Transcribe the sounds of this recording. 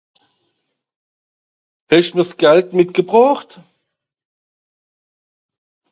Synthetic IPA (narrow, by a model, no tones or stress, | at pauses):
hɛʃtmiːɐsɡ̥ɛltmɪtɡ̥əbʁaːχt